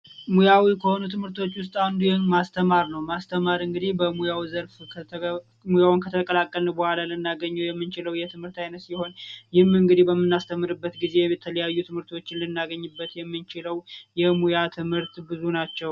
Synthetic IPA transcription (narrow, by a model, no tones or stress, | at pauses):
mujawikʰəho̞nut̪ʰɨmhɨɾt̪ʰo̞t͡ʃːwʊst̪ʼand̪ujɛnmast̪ʰəmaɾnəwmast̪ʰəmaɾɨŋɡɨd̪ihbəmujawizəɾfʰ | mujawunkʰət̪ʰəkʼəlakʼːəlnəbəhʷalalɨnːaɡəɲːɛwjɛmːɨnt͡ʃɪləwjɛt̪ʰɨmhɨɾt̪ajnət̪siho̞njɪhmɨŋɡɨd̪ihbəmːɨnːast̪ʰəmːɨɾɨbːət̪ɡize̞jɛt̪ʰələjajːut̪ʰɨmhɨɾt̪ʰo̞t͡ʃːɪnlɨnːaɡəɲːɨbːət̪jɛmːɨnt͡ʃɪləwjɛmujat̪ʰɨmhɨɾt̪bɨzunat͡ʃːɛw